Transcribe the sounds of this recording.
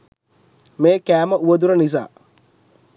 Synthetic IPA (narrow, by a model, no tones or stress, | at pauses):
meːkæːməuɐd̪uɾɐnis̬a̰ː